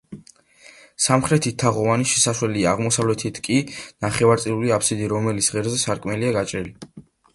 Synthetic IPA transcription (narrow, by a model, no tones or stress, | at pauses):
samχɾɛt̪ʰit̪ʰːaʁɔvaniʃɛsaʃwɛliaaʁmɔsavlɛt̪ʰit̪ʰkʼinaχɛvaɾt̪sʼiluliapʰsid̪iɾɔmɛlit̪sʁɛɾzɛsaɾkʼmɛliaɡat͡ʃʼɾili